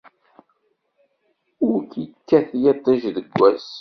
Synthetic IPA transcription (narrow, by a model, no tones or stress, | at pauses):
ʊɾkikːæθjet̪ˤːiʒðəɡʷːæs